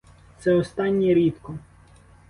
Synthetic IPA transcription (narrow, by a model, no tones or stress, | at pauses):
t̪sɛɔst̪ɑnʲːiɾʲit̪kɔ